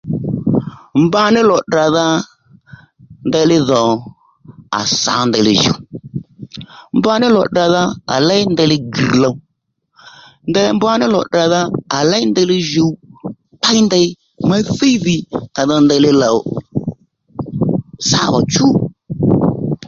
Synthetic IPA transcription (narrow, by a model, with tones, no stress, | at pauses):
mba˦nɪ˦lɔ˨da˨ða˧ | nda˧˦lɪ˦ðɔ˨ | a̰˨sa̰˨˦nda˧lɪ˧ʒo̰˨ | m˦ba˦nɪ˦lɔ˨da˨ða˦a̰˨la˦ɪ˦nda˧˦lɪ˦ɡḭ˨la˨˦ | ndɛ˦m˦ba˦nɪ˦lɔ˨da˨ða˧˦a˨la˦jnda˧˦lɪ˦ʒu˨w | ta˦i˦nda˧ɪ˦ | ma˦θi˦ði˨ka˨ðɔ˧nda˧lɪ˦la˨ | sa˦wa̰˨t͡ʃu˦